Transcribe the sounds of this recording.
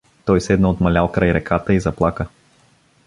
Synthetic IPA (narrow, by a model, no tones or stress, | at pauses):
t̪ɔjsɛd̪nəot̪mɐlʲalˠkɾajɾɛkat̪əizɐplˠakə